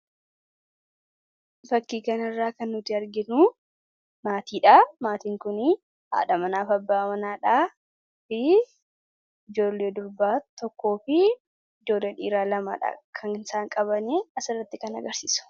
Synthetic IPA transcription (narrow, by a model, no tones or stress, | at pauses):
fɐkːiːkɐnɪrːaːkɐnːʊt̪ːɪɐɾɡɪnu | maːt̪iːᶑamaːt̪iːŋkʊnɪ | ha̰ːᶑɐmɐnaːfɐbːaːmɐnaːᶑaː | fɪ | ɪd͡ʒo̞ːlːe̞ːd̪ʊɾbaːt̪ɔkːo̞ːfɪ | ɪd͡ʒo̞ːlːeːᶑḭːɾaːlɐma̰ːᶑɐ̰kʰɐŋɪnsaːŋkʼɐβɐneːɐsɪrːɐt̪ːɪkɐnɐ̰ɡɐɾsḭːsʊ̥